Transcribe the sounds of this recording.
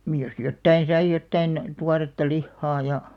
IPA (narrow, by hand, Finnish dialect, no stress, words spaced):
niːj jos jotːɑin̞ sɑi jotːɑin tuɑretːɑ lihːɑː jɑ